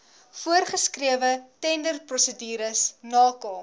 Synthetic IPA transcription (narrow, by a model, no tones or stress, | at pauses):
fuərχəskriəvətɛndərprɔsədiːɾəsnɑːkəlˠ